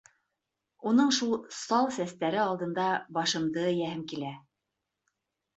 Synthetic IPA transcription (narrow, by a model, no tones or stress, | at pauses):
unɤɴʃulˠsɑlˠsæst̪æɾɘɑlˠd̪ɤ̆nd̪ɑbɑʃɤ̆md̪ɤjæhɘmkilæ